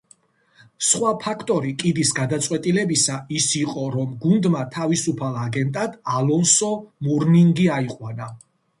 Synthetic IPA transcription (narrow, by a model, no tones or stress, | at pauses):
sχwapʰakʰt̪ʼɔɾikʼid̪isɡad̪at̪sʼwɛt̪ʼilɛbisaisiqʼɔɾɔmɡund̪mat̪ʰavisupʰalˠaɡɛnt̪ʼad̪̥alɔnsɔmuɾniŋɡiaiqʼwana